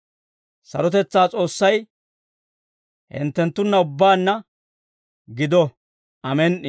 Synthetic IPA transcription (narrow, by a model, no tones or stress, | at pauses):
sɐ̰ɾɔt̪ɛt͡sːaːt͡sʼo̞ːsːɐj | hɪ̰nt̪ːɛnt̪ːʊnːɐʊbːaːnːɐ | ɡɪd̪ɔ | ʔɐmɛn